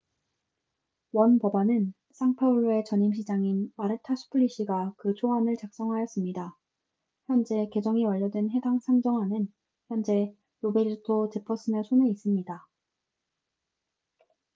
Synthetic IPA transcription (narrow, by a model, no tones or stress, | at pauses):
wʌnpʌbanɯn | s͈ʰaŋpʰauɭːue̞t͡ɕʌɲimɕ̬ʰid͡ʑaŋinmaɾɯtʰasʰu̥pʰuɭːiɕ͈ʰiɡakɯt͡ɕʰoɦanɯɭt͡ɕak̚s͈ʌŋɦajʌs͈ɯmɲida | çjʌnd͡ʑe̞ke̞d͡ʑʌŋiwʌʎːʌdwenɦe̞daŋsʰaŋd͡ʑʌŋɦanɯn | çjʌnd͡ʑe̞ | ɾobe̞ɾtʰot͡ɕe̞pʰʌs͈ɯnesʰoneis͈ɯmɲida